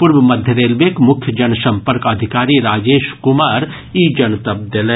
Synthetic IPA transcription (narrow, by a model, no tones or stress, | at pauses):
pʊɾʋəmɐd̪ʱjəd̪eːlʋekmʊkʰjəd͡ʒɐnsɐ̃mpəɾkɐd̪ʱɪkaːɾiɾaːd͡ʒeːʃkʊmaːɾ | iːd͡ʒɐnt̪ɐb̚d̪ɐle